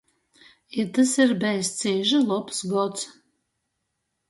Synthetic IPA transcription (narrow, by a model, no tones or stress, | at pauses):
it̪asiɾbɛjst̪siːʒɨlˠɔpsɡɔt̪s